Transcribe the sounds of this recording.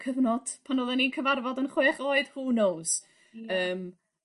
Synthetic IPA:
kʰəvnɔd̥pʰanoːðɛninkʰəvarvɔdənχweːχoɨd̥huːnows | əːm

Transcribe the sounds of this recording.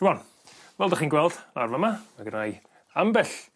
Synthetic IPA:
uwɔn | vɛlˠdaχiːnɡwɛlˠd̥larvamamaɡənaj | ambɛɬ

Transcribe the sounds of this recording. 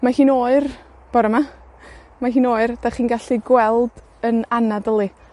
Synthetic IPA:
mahiːnoːɨr | b̥ɔɾəma | maɦiːnoːɨrd̥aχiːnɡaɬiɡwɛlˠd | ənanadəlˠɨ

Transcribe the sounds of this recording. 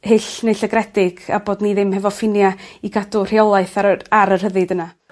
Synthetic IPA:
hɪɬnejɬəɡɾɛdɪɡ̥aboːdniðɪmhɛvɔfɪnjaiɡadʊr̥iɔlˠaɨθaaɾər̥həðɨdəna

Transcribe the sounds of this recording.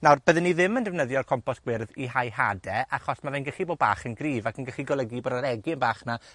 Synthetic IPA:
nawrb̥əðɪnːiðɪməndɛvnəðjɔrkʰɔmpɔsɡ̥wɪrðiɦajɦadɛʔaχɔsmavɛjnɡəχiboːdba̰ːχənɡriːvakʰənɡəχiɡɔlˠəɡiboːdaɾɛɡiənbaːχna

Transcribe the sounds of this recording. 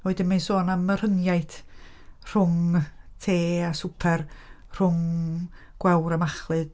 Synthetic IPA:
oːɨdɪnmansoːnamər̥ənjajθ | r̥ʊŋtʰeːasupʰɛr | r̥ʊŋ | ɡ̥wɛwɾamaχlˠɨd̥

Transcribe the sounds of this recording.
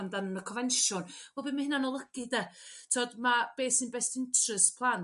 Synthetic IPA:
ndanənəkʰɔnvɛnʃʊnvwɛbimahɪnanɔlˠəɡ̥ɨdɛtʰoɔdmab̥eːsinbɛstɪntʰrəspʰlˠan

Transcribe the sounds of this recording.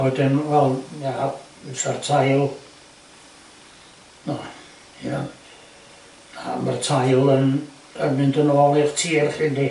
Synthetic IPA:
ɔɨdɪnvɛlˠja | sartʰajlˠ | nɔ | inan | amartʰajlˠən | ənmɪndənɔɔlˠirtʰiːrχɪndi

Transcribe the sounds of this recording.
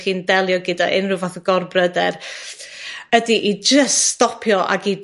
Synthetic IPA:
χiːndɛlˠjɔɡɪdaʔɪ̰nrɨvaθəɡ̥ɔrbrədɛr | ədiʔid͡ʒəststɔpʰjɔʔa̰ɡi

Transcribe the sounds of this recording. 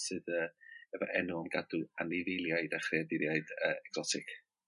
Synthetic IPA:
sɨðəːɛvɔ̰ʔɛnʊɔmɡaduanɪvɪjlˠjajdaχriadɪɾjajd̥əːɛkz̥ɔtʰɪkʰ

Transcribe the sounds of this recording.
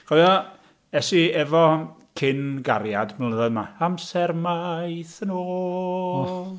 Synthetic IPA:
χɔjɔ | ɛsiɛvɔ | kʰɪnɡaɾjadmanləðɔɨdmaamsɛrmajθənoː | lˠ

